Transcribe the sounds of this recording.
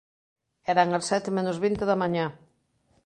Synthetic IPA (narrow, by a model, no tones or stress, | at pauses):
ɛɾaŋasɛt̪ɪmẽnʊzβint̪eðɐmãɲã